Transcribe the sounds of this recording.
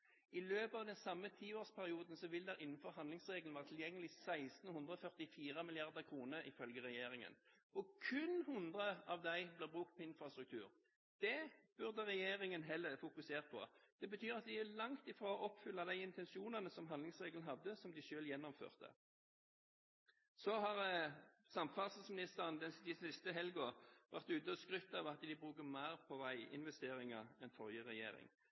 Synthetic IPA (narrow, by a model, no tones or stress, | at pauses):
ɪløːpɑʋd̪ɛnsɑmːət̪ʰiːoːspʰæʁɪuːd̪n̩sɔʋɪld̪ɛɾɪnːn̩fɔʁhɑnd̪lɪŋsʁeːɡln̩ʋæːʁt̪ʰɪljɛŋːəlɪsæɪst̪n̩hʉnd̪ʁəɔfœʁt̪ɪfiːʁəmɪlɪɑʁd̪əʁkʰʁuːnəɾɪ̰fœlɡəʁɛjeːɾɪŋə̰n | ɔkʰʉnhʊnd̪ʁəɑʋd̪æɪblɛːbʁʉːk̚t̪̚pʰɔɪnfɾɑst̪ɾʉkt̪ʰʉ̰ːʁ | d̪̥ɛb̥ʉʁd̪əʁɛjeːɾɪŋənɦɛlːəʁfʊkʉseːʁt̪̚pʰɔ̰d̪̥ɛbət̪ʰyːɾɑt̪̚d̪ɪælɑŋt̪ɪfɾoːɔʔɔpːfʏlːɑd̪æɪɪnt̪ʰɛnsuːnɑnəsɔmɑnd̪lɪŋsʁeːɡln̩ɦɑd̪ːəsɔmd̪ɪʃøːljɛnːɔmfø̰ːʁt̪ə̰ | sɔɦɑʁ | sɑmfɑsn̩smɪnɪst̪əʁənd̪ɛd̪ɪsɪst̪əɦɛlɡʊʋʔæʁt̪ʉːt̪əskʁʏt̪ːɑʋɑt̪d̪ɪbʁʉːkəmæɪʁpʰɔʋæɪɪ̰nʋɛst̪eːʁɪŋɑʁɛnfɔʁjəʁɛjḛːɾɪ̰ŋ